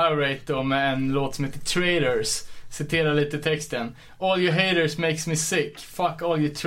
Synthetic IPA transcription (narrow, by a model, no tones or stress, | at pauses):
aʊɾeɪt̪̚d̪ɔmɛɛnloːt̪sɔmheːt̪ːətʰɹeɪɾəɹssɪt̪ʰeːɾaliːt̪ət̪ʰɛkst̪ən | ɔːljəɦeɪɾəɹsmeɪksmɪsɪkːfʌkɔːljət̪ʰ